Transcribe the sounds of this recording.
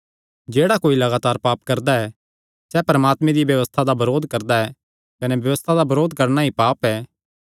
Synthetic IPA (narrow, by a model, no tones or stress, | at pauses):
d͡ʒeːɽakoːilɐɡaːt̪aːɾpaːpkɐɾd̪aɛ | sɛpɐɾəmaːt̪mẽd̪ibjɐʋəst̪ʰad̪abɐɾoːd̪kɐɾd̪aɛ | kɐnɛbjɐʋəst̪ʰad̪abɐɾoːd̪kɐɾnaipaːpɛ